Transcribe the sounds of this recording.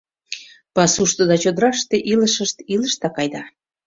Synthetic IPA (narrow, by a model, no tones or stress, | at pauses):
pɑsuʃt̪od̪ɑt͡ɕod̪ɾɑʃt̪eʔiləʃəʃt̪iləʃt̪ɑkɑjd̪ɑ